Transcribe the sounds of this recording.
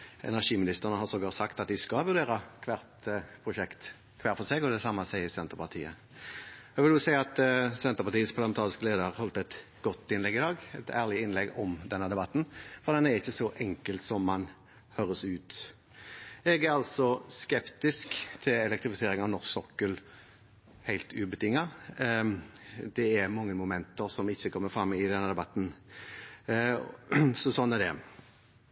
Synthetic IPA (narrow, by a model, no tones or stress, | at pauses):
ʔɛ̰næʁʂiːmɪnɪst̪əʁənəhɑsɔɡɑɾt̪sɑkt̪ɑt̪̚d̪ɪskɑʋʉʁd̪eːʁɑkʰʋæːʁt̪pʰʁʊʃɛkt̪ | kʰʋæːʁfɔseːɡɔd̪ɛsɑmːɑsɛɪɪsɛnt̪əʁpɑʁt̪ʰḭːə̰ | jɑʋɪljʊsæɪɑt̪sɛnt̪əpɑt̪ʰiːəspʰɑʁlɑmɛnʰɑːʁɪskəleːd̪əʁhɔlt̪ɛt̪ | ɡ̥ɔt̪ːɪnlɛɡɪd̪ɑːɡɛt̪ʰæːʁlɪɪnlɛɡɔmd̪ɛnːəd̪ɛbɑt̪ːn̩fɔʁd̪ɛnːæɾɪçːəsɔʔɛŋkəlt̪sɔmːɑn | høːɾəsʉːt̪ | ɛɡæɾɑlsɔskɛpt̪ɪskt̪ʰɪlɛlɛkt̪ɾɪfɪseːɾɪŋɑʋnɔʁsksɔkːəl | hæɪlt̪ʰʉbət̪ʰɪŋːɑ | d̪ɛæɾmɑŋːəmʊmɛnt̪əɾsɔmɪçːəkʰɔmːəɾfɾɑmːɪd̪ɛnːəd̪ɛbɑt̪ːn̩ | sɔsɔnːɛd̪ɛ̰